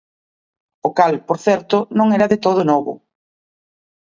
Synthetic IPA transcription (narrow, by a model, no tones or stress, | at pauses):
okalpoɾθɛɾt̪ʊnõŋɛɾɐðet̪oð̞ʊnɔβʊ̰